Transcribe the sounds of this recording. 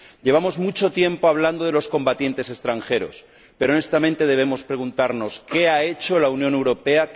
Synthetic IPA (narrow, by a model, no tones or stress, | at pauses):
ʎe̞β̞amo̞zmut͡ʃo̞t̪je̞mpo̞aβ̞land̪o̞ð̞e̞lo̞sko̞mbat̪je̞nt̪e̞se̞st̪ɾaŋxe̞ɾo̞̰s | pe̞ɾone̞st̪amẽnt̪e̞ð̞e̞β̞e̞mo̞spɾeɣ̞unt̪aɾno̞ske̞ae̞t͡ʃo̞launjonewɾo̞pe̞a